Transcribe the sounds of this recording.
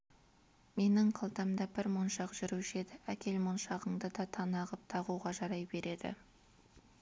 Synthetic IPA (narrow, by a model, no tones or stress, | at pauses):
me̞nɪɴqʰɑlˠt̪ɑmd̪ɑbɪɾmonʃɑqʒ̥ʏɾuʃe̞d̪ɪækʲʰe̞lmonʃɑʁəɴd̪əd̪ɑt̪ʰɑnɑʁəp̚t̪ʰɑʁuʁɑʒɑɾɑjbe̞ɾe̞d̪ɪ̰